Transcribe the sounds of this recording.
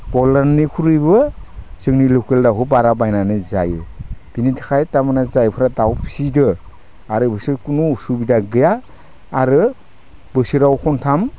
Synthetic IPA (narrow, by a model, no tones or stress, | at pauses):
bɔlannikʰuɾɯjbɯsɯŋnilɔkeldaɦubaɾabajnanɯza̰jɯb̥initʰḁkʰajtamɯnazajpʰɯɾadawpʰi̥sidɯ | aɾɯbɯsiɾkunusubidaɡɯjaː | ɾɯ | bɯsiɾawkʰɔntʰam